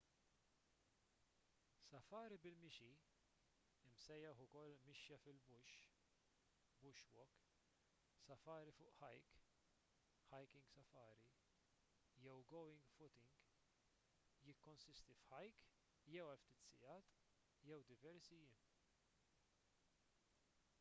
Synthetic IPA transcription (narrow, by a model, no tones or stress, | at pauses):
sɐfɐːɾibɪlmɪʃi | ɪmsɛjːɐħʊkɔlːmɪʃjɐfɪlbʊʃ | bʊʃwɔk | sɐfɐːɾifʊːʔħɐjk | ħɐjkɪ̃ŋɡsɐfɐːɾi | jɛwɡɔwɪ̃ŋɡfʊt̪ɪŋɡ | jɪkːɔnsɪst̪ifħɐjk | jɛwɐlft̪iːt̪sɪjɐːt̪ | jɛwd̪ɪvɛɾsijɪm